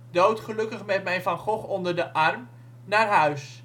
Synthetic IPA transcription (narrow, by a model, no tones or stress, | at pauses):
dowtχəlɵkəχmɛtmɛjvɑnχɔχɔndəɹdəʔɑrm | naːɹɦœɥs